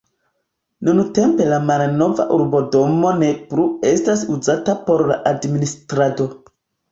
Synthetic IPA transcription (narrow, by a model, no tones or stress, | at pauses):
nunte̞mpe̞lamalno̞va̰ʔuɾbo̞do̞mo̞ne̞pɾue̞stasuzatapo̞ɾla̰ʔadministɾado̞